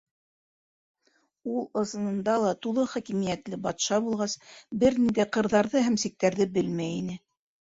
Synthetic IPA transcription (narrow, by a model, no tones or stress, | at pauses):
ulˠɤ̆sɤ̆nɤ̆nd̪ɑlˠɑt̪ulˠɤχækimijæt̪lɘbɑt̪ʃɑbulˠʁɑsbɘɾnind̪æjqɤ̆ɾðɑɾðɤɦæmsik̚t̪æɾðɘbɘlmæjinɘ